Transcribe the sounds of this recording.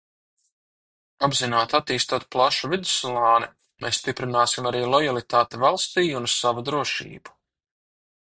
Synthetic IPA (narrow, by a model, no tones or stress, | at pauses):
abzinaːt̪at̪iːst̪uɔːt̪̚plˠaʃuvid̪u̥slˠaːnɛ | mḛːsst̪ipɾinaːsimaɾiːlˠɔjalˠit̪aːt̪evalˠst̪iːunsavud̪ɾuɔʃḭːbu̥